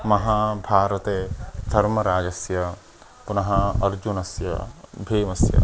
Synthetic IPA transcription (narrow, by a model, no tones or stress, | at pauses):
mɐɦaːbʱaːɾɐt̪eːd̪̥ʱɐɾmɐɾaːɡɐsjɐ | punɐɦɐɐɾd͡ʒunɐsjɐ̰bʱeːmɐsjɐ̰